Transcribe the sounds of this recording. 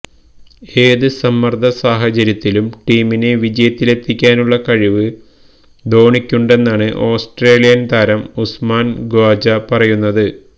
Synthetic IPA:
e̞ːðɨsɐmːɐrd̪ʱɐsaːɦɐt͡ɕɐɾjɐt̪ːilumʈiːmineʋid͡ʑɐjɐt̪ːile̞t̪ːikʲːaːnuɭːɐkɐɻiʋɨ | d̪o̞ːɳikʲːuɳɖe̞nːaːɳɨʔo̞ːsʈre̞ːlijɐnt̪ʰɐɾɐmusmaːnɡoːd͡ʑɐpɐrɐjunːɐðɨ

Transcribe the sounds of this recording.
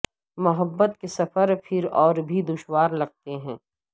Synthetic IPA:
mɐɦəbːət̪̚kesɐfəɾpʰɪɾɔːɾbʱid̪ʊʃwaːɾlɐɡ̚t̪eɦɛ̃ː

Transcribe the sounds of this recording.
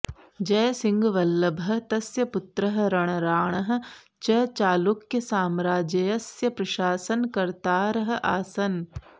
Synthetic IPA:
d͡ʒɐːsɪ̃ŋɡʋɐlːɐbʱɐ̆t̪ɐsjɐpʊt̪ɾɐɦɾɐɽ̃ɐɾaːɳ̃ɐɦ̆ | t͡ʃɐt͡ʃaːlukjɐsaːmɾaːd͡ʒejɐsjɐpɾɐʃaːsɐnkɐɾt̪aːɾɐɦ̆ʔaːsɐn

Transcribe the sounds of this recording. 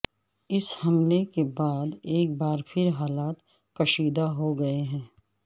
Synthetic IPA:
ɪshɐmlekebaːd̪eːk̚baːɾpʰɪɾɦaːlaːt̪ | kɐʃiːd̪aɦoɡɐeɦɛ̃ː

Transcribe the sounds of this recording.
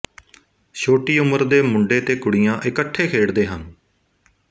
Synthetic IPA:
ʃoːʈiːʊməɾd̪eːmʊɳɖeːt̪eːkʊɽɪjãːʔɪkəʈʰːeːkʰeːɽd̪eːɦən

